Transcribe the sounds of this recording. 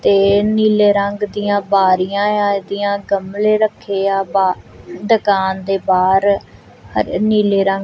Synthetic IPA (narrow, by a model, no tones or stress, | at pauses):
t̪eːniːleːɾəŋɡd̪iːãːbaːɾijãːãːd̪iːjãːɡəmleːɾəkʰːeːaːbaː | ɖ̪əkaːnd̪eːbaːɾ | həɾniːleːɾə̃ŋɡ